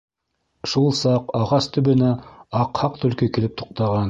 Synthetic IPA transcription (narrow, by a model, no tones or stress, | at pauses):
ʃulˠsɑqɑʁɑst̪ɵ̆βɘ̆næɑqhɑqt̪ɵ̆lkɵkĭlɘp̚t̪ʰo̥q̚t̪ɑʁɑn